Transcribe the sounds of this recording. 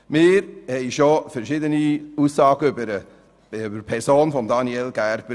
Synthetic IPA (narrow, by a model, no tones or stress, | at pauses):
mɪːɾhɛɪjʃofɛɾʃɪdəniuːsːɑːɡəʏbəɾə | bəɾpʰɛɾsoːnfɔmdɑnielɡæɾb̥ə